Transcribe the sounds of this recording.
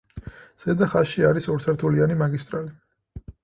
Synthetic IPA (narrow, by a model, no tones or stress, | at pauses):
z̥ɛd̪aχaʃiaɾisɔɾt̪sʰɛɾt̪ʰulianimaɡist̪ʼɾali